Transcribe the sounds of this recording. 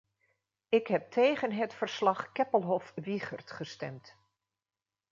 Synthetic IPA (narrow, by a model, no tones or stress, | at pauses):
ɪkɦɛp̚tʰejχənɦətfəɹslɑχkɛpəlˠɦɔfʋiχəɹtχəstɛ̰mt